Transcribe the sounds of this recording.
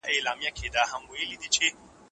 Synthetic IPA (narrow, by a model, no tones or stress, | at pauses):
ʔailaːmɪjakʲʰedaːɦaŋɡʷoilidit͡ʃe